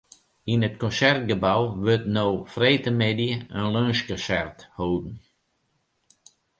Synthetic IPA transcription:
inət̚kɔ̃nsɛrt̚ɡəbawʋøtnowfreːtəmedjəənløːnʃkɔsɛrthoːdn̩

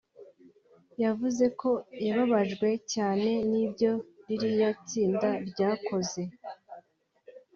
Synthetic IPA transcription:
javuze̞kʰo̞jaβaβaʒɡwe̞caːne̞nibɟo̞ɾiɾijat͡siːndaɾɟaːkʰo̞ze̞

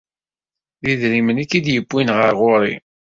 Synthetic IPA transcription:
ðiðɾimənikːid̪jəbːinʁəɾʁʊɾˤi

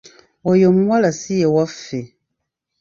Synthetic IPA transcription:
ojomwalasijewafe

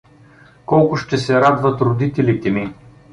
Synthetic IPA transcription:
kɔlˠkʊʃt̪ɛsɛɾad̪vɐt̪ɾod̪it̪ɛlit̪ɛmi

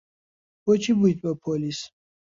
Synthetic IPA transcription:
b̥ɔt͡ʃʰibuit̪ʼpʼapʰɔlis

